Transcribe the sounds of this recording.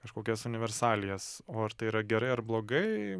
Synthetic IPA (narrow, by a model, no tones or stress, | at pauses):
kɐʃkoːkʲɛːsʊnʲɪʋʲɛɾsɑːlʲɪjɛsoːɐɾt̪ɐɪiːɾɐɡʲɛɾɐɪɐɾblˠoːɡɐɪ